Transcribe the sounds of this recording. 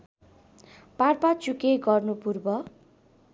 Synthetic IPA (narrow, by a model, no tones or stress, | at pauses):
parpat͡sukeɡʌrnupurbʌ